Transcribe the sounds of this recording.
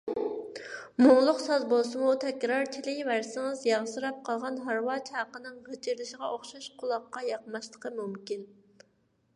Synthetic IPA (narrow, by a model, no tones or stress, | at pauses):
moŋlˠʊqsɑzbolˠsɨmut̪ʰɛkʲɾɑɾt͡ʃʰɪlɪvæɾsɪŋɨzjɑʁsɨɾɑp̚qʰɑlˠʁɑnɦɑɾwɑt͡ʃʰhɑqənɨŋʁət͡ʃʰiɾlɪʃɪʁɑʔoχʃɑʃqʰʊlˠɑqːɑjɑqmɑʃlˠəqʰəmumkʲin